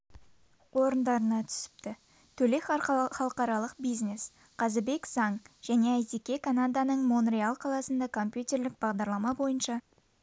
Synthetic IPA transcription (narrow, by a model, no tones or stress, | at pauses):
wo̞ɾənd̪ɑɾənɑt̪ʰʏ̥sɪ̥p̚t̪ɪ | t̪ʰɵle̞χɑlˠəqɑɾɑlˠəqbijzne̞s | qʰɑzɪbe̞kzɑɴʒ̥æne̞æjt̪ekʲe̞kʰanad̪anəɴmonrialˠqʰɑlˠɑsənd̪ɑkʰo̞mpjut̪ʲe̞ɾlɪk̚bɑʁd̪ɑɾlˠɑmɑbo̞jənʃɑ